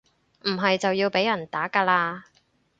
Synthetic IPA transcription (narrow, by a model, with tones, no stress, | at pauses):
m̩˨˩ɦɐ˨jt͡sɐ˨wjiː˧wpe˨˥jɐ˨˩nt̪aː˨˥kaː˧laː˧